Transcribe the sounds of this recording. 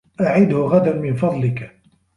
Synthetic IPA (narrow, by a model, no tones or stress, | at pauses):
ʔaʕɪd̪hʊɣad̪anmɪnfɑd̪ˤlɪk